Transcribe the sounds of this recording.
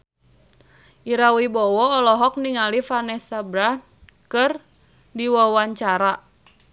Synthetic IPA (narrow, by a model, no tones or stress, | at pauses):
ʔiɾawibɔwɔːlɔɦɔk̚niŋalifanɛsabɾan | kɨr | diwɔwaɲt͡ʃaɾa